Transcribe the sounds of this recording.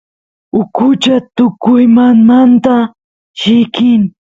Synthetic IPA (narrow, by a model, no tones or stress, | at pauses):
ʊkʊt͡ʃat̪ʊkʊjmanmant̪a | ʃɪkɪŋ